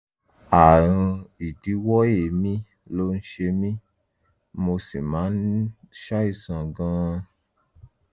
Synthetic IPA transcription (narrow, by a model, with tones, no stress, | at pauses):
a˨ɾ̃ũ˧i˨di˨˦wɔ˦je˨mĩ˦ | lo˦˧n̩˦ʃe˧mĩ˦ | mo˧si˨mãː˨˦n̩˦ʃa˦i˦˨sã˨ɡã˧